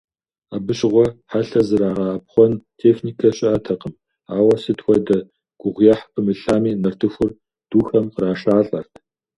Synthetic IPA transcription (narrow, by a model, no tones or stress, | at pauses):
abɨɕʼʁʷɔħaɬɐzɨɾaːʁɐɐp̚χʷɔntʰeːxniːkʰɐɕʼɪɐtʰɐqəm | aːwɐsɨtxʷɔdɐ | ɡ̥ʷʊʁʷjɐħpʰɨmɨɬaːmiːnɐrtʰɨxʷʊr | d̥uːxɐmqəraːʃaːɬʼɐrtʰ